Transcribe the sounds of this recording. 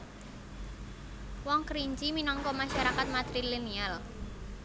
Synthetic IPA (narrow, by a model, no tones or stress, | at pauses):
wɔŋkɾiɲt͡ʃiminɔŋkɔmaʃaɾakat̪̚mat̪ɾilinial